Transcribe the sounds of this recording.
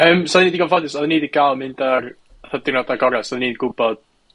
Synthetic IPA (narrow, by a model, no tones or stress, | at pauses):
əːmsɔðnidiɡɔnvɔdɪsɔðniːdiɡ̥alˠmɪndar | aθadɪɡnɔdaɡɔɾɛsɔðniːdɡʊbɔd̥̚